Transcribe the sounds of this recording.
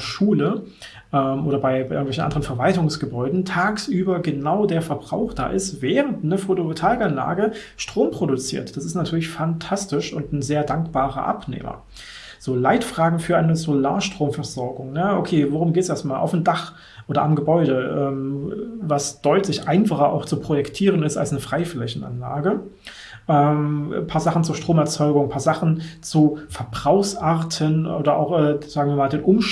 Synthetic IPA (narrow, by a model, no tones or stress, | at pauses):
ʃuːlə | ʔɛːmʔoːɾɐbaɪaɪʔɪŋtvɛçn̩ʔa̰ndəʁənfɛɐvaltʊŋsɡ̥əbɔʏdn̩tʰaːksʔyːbɐɡənaʊdeːɐfɛɐbʁa̰ʊxd̥a̰ːʔɪstv̥ɛːʁəntnəfotootʰaːlkanla̰ːɡə | ʃtʁ̥oːmpʁ̥odut͡sḭːɐtd̥asɪstnatʰyːɐlɪçfantʰastɪʃʊntn̩zeːɐdaŋkb̥aːʁɐ̰ʔa̰pnḛːmɐ̰ | z̥oːlaɪtfʁ̥aːɡŋ̩fyːɐʔaɪnəzola̰ːɐʃtʁ̥oːmfɛɐzɔɐɡʊŋnəʔokʰeːvoʁʊmɡeːtsʔeːɐstmaːlʔa̰ʊfnm̩daχ | ʔoːdɐamɡəbɔʏɾəʔɛːmvasd̥ɔʏtʰlɪçʔaɪnfaχɐʔa̰ʊxt͡supʁ̥ojɛktʰiːʁ̞ənɪsta̰lsnəfʁ̥aɪflɛçn̩a̰nla̰ːɡə | ʔɛːmpʰaːɐzaχn̩t͡suɐʃtʁ̥oːmɛɐt͡sɔʏɡʊŋpʰaːɐzaχn̩t͡sufɛɐbʁaʊxsʔaɐtʰənʔoːdɐʔaʊxʔɛːz̥aːɡŋ̩viːɐmaːldeːnʔʊmʃ